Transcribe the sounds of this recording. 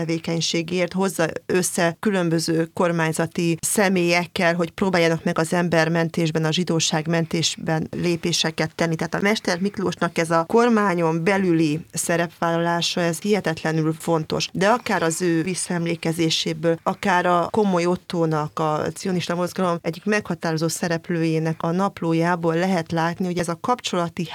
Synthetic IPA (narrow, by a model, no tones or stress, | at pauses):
ɛveːkɛɲʃeːɡeːrt̪ho̞zːɒøsːɛkylø̞mbøzøːko̞rmaːɲzɒt̪isɛmeːjɛkːɛlɦo̞cpɾoːbaːjːanɒkmɛɡɒzɛmbɛrmɛnt̪eːʒbɛnɒʒid̪oːʃaːɡmɛnt̪eːʒbɛnleːpeːʃɛkɛt̪ːɛnːit̪ɛɦːt̪ɒmɛʃt̪ɛrmikloːʃnɒkɛzɒko̞rmaːɲo̞mbɛlylisɛɾɛpʋaːlːɒlaːʃɒɛzhiɦɛt̪ɛt̪lɛnylfo̞nt̪o̞̰ʃd̪ɛɒkaːɾɒzøːvisːɛmleːkɛzeːʃeːbøːlɒkaːɾɒko̞mo̞jo̞t̪ːoːnɒkɒt̪sio̞niʃt̪ɒmo̞zɡɒlo̞mɛɟːikmɛkhɒt̪aːɾo̞zoːt̪sɛɾɛpløːjeːnɛkɒnɒploːjaːboːlːɛɦɛt̪laːt̪niho̞ɟɛzɒkɒpt͡ʃo̞lɒt̪i